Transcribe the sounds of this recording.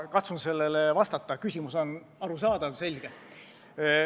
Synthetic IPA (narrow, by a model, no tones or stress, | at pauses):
kɑt̪sunse̞lːelevɑst̪ɑt̪ˑːɑkysʲimuso̞n | ɑɾusɑːd̪ɑlse̞lʲɡ̥e